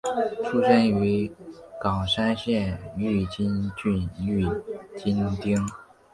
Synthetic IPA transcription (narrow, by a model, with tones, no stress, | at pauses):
ʈ͡ʂʰu˥ʂə˥ny˧˥kɑ˨˩ʂa˥nɕjɛ˥˧ny˥˩t͡ɕi˥nt͡ɕy˥˧ny˥˩t͡ɕi˥nt̪i˥ŋ